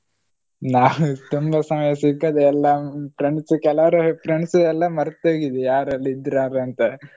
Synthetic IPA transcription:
naːʋut̪umbɐsɐmɐjɐsiɡɐd̪ɐɛlːɐpɾeɳskɛlɐʋɾɐpɾeɳsɐd̪ɛlːɐmɐɾt̪ːeːɡid̪ɛjaːɾɐlːiid̪ɾaːɾɐnt̪ɐ

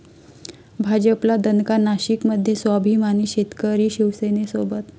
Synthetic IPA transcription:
bʱad͡ʑəplad̪ənkanaɕikməd̪ʱjesʋabʱimaniːɕet̪kəɾiːɕiʋsenesobət̪

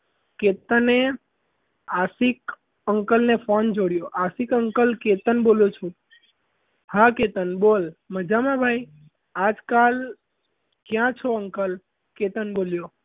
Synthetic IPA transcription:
ket̪əne | asik | əŋkəlnefond͡ʒoɽjoʔasikəŋkəlket̪ənboljot͡ʃʰũ | hãket̪ənbolməd͡ʒamãbʱaj | ad͡ʒkal | kjãt͡ʃʰoəŋkəl | ket̪ənboljo

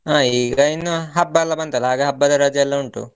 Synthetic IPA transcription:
aːiːɡɐinːuɦɐbːɐɛlːɐbɐnt̪ɐlːɐaːɡeɦɐbːɐd̪ɐɾaːd͡ʒɐɛlːɐuɳʈṵ

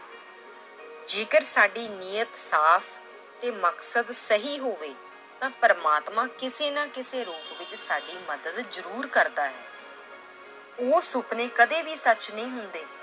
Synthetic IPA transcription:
d͡ʒeːkəɾsaːɖiːniːət̪saːpʰ | t̪eːməksəd̪səɦiːɦoːʋeː | t̪ãːpəɾmaːt̪mãːkɪseːnãːkɪseːɾoːkʋɪt͡ʃsaːɖiːməd̪əd̪zəɾuːɾkəɾd̪aːɦɛː | oːsʊpnẽːkəd̪eːʋiːsət͡ʃnəĩːɦʊnd̪eː

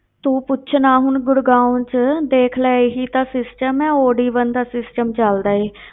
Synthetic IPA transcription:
t̪ũːpʊt͡ʃʰnaːɦʊnɡʊɽɡaːʊnt͡ʃd̪eːkʰlɛːɦiːt̪ãːsɪsʈəmɛ̃ːoːɽiːbənd̪aːsɪsʈəmt͡ʃəld̪aːeː

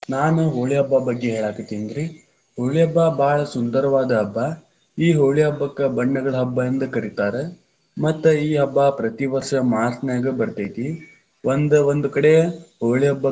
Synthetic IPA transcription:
naːnuɦoːɭiɦɐbːɐbɐɡːeɦeːɭaːkit̪ːind̪ɾi | ɦoːɭiɐbːabaːɭɐsund̪ɐɾɐʋaːd̪ɐɦɐbːa | iːɦoːɭiɦɐbːɐkːɐbɐɳːɐɡɐɭɐɦɐbːɐɐnd̪ɐkɐɾit̪aːɾe | mɐt̪ːuiːɦɐbːapɾɐt̪iʋɐɾʂɐmaːɾt̪nɐjaːɡebɐɾt̪ajt̪i | ond̪ɐond̪ukɐɽeɦoːɭiɦɐbːɐ

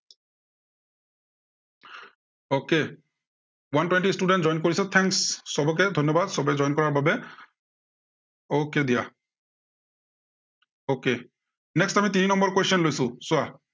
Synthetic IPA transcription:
oke | wantwɛnʈistuɖɛntzɔjnkoɹisɛt̪ʰɛŋksːɔbɔk̬ɛd̪ʱɔnjɔbad̪sɔbɛd͡ʒɔjnkɔɹaɹbabɛ | oked̪ija | oke | nɛkstamit̪ininɔmbɔɹkwestɔnlojsʊ̃sʊa

